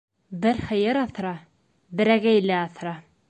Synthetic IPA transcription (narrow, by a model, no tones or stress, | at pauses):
bɘɾχɘ̆jɘɾɑθɾɑ | bɘ̆ɾæɡæjlæɑθɾɑ